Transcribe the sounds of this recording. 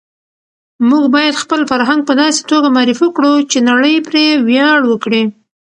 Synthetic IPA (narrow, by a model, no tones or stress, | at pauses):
muɡbɑjad̪xpəlfaɾɦaŋɡ̚pəd̪ɑse̥t̪oɡamɑɾifukɽut͡ʃenaɽəjpɾewjɑɽwəkɽi